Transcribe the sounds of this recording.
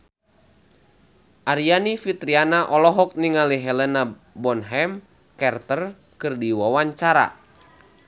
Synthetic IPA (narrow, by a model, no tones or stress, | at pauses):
ʔaɾianifit̪ɾianaʔɔlɔɦɔk̚niŋaliɦɛlɛna | bɔnɦɛm | kɛrt̪ər | kɨrdiwawaɲt͡ʃaɾa̰